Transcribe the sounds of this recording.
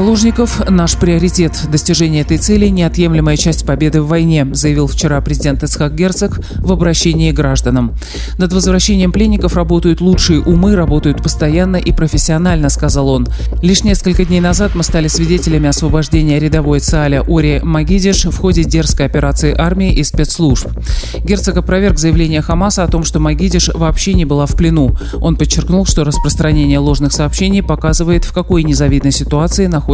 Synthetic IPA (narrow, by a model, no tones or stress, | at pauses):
zɐlˠo̞ʐnʲɪkəfnaʂpɾʲɪɐɾʲɪtʲe̞t̪d̪əsʲtʲɪʐɛnʲɪjəɛt̪əjt̪sɛlʲɪnʲɪɐt̪je̞mlʲɪməjət͡ɕæsʲtʲpɐbʲe̞d̪ɨvːɐjnʲe̞zəjɪvʲilˠft͡ɕɪɾapɾʲɪzʲɪdʲe̞nt̪ɨt̪sxakɡʲert̪sɨk | vəbɾɐɕːenʲɪːɡɾaʐd̪ənəm | nəd̪vəzvɾɐɕːenʲɪjəmplʲenʲːɪkəfrɐbo̞t̪əjʊt̪lˠutʂɨjəʔʊmɨɾɐbo̞t̪əjʊt̪̚pəst̪ɐjanːəʔipɾəfʲɪsʲːɪɐnalʲnəskɐzalˠo̞n | lʲiʂnʲe̞skəlʲkədʲnʲejnɐzat̪mɨst̪alʲɪsvʲɪdʲetʲɪlʲɪmʲɪɐsvəbɐʐdʲenʲɪjəɾʲɪd̪ɐvo̞jət̪sɨalʲəʔoɾʲɪmɐɡʲidʲɪʂfxo̞dʲɪdʲe̞rskəjɐpʲɪɾat̪sɨɪʔarmʲɪɪʔɪspʲet̪slˠuʂp | ɡʲert̪sɨɡəpɾɐvʲe̞rɡzəjɪvlʲenʲɪjəxɐmasəɐt̪o̞mʂt̪o̞mɐɡʲidʲɪʂvɐːpɕːenʲɪbɨlˠafplʲɪnu | o̞npət͡ɕːɪrknulˠʂt̪o̞ɾəspɾəst̪ɾɐnʲenʲɪjəlˠo̞ʐnɨxsɐːpɕːenʲɪjpɐkazɨvəjɪt̪fkɐko̞jnʲɪzɐvʲid̪nəjsʲɪt̪ʊat̪sɨɪnɐxo